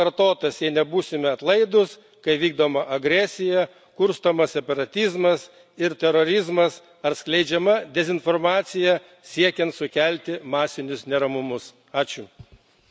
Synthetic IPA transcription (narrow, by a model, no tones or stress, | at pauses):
ɐɾt̪oːt̪ɐsjɛɪnʲɛbuːsʲɪmʲɛɐt̪lˠɐɪd̪ʊs | kɐɪʋʲiːɡd̪oːmɐʔɐɡɾʲæsʲɪjɛ | kʊɾst̪ɐmɐssʲɛpɐɾɐt̪ʲɪzmɐs | ɪɾt̪ʲɛɾɔɾʲɪzmɐs | ɐɾsklʲɛɪd͡ʒʲɛmɐd̪ʲɛzʲɪnfɔɾmɑːt̪sʲɪjɛ | sʲiɛkʲɛnt̪sʊkʲælʲt̪ʲɪmɑːsʲɪnʲʊsnʲɛɾɐmʊmʊs | ɑːt͡ʃʲʊ